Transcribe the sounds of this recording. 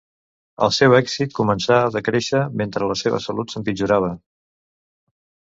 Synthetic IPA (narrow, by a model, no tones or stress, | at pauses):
ə̰lˠsɛwɛkzit̪̚kumənsaəðəkɾeʃəment̪ɾələseβə̰səlut̪səmpid͡ʒuɾaβ̞ə